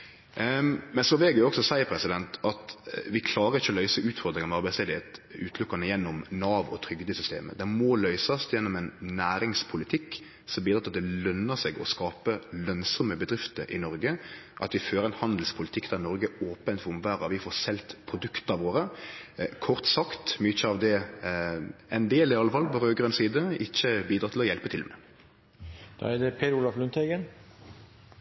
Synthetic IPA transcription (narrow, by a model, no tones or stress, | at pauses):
mɛnsɔʋɛːɡəɾjʊɔksɔsæɪəpʰɾɛsɪd̪ɛnt̪ɑt̪ʋɪkʰlɑːɾəɾɪçːəɔlœʏsəʉːt̪fɔɾd̪ɾɪŋnɑmɑɾbæsleːd̪əheːt̪ʉːt̪ʰlʊkːɑnəjɛnːɔmnɑːʋɔ̰t̪ʰɾʏɡd̪əɪsʏst̪ḛːmə̰d̪ɛmɔlœʏsɑst̪jɛnːɔmɛnːæːɾɪŋspʰʊlɪt̪ʰɪkː | sɔmbiːd̪ɾɑt̪ːɑt̪̚d̪ɛlœnːəsɛɡɔ̰skɑːpəlœnsɔməbəd̪ɾɪft̪əɾʔɪ̰nɔɾɡəʔɑ̰t̪ʋɪføːɾəɛnhɑnd̪l̩spʰʊlɪt̪ʰɪkːd̪̥æʁnɔɾɡəoːpənt̪ʋʊmʋæːɾəʋɪfoːsɛlt̪pʰɾʊd̪ʉkt̪ɑʋoːɾə | kʰɔʁt̪sɑkt̪mʏçəɑʋd̪ɛ | ɛnd̪eːlɪɑlːəfɑːlpɔɾøːɡʁœnsiːd̪əɪçːəbiːd̪ɾɑt̪ɪlɔjɛlpət̪ʰɪlmɛ | d̪̥ɑ̰ːædɛpʰeulɑflʉnt̪ʰɛɡən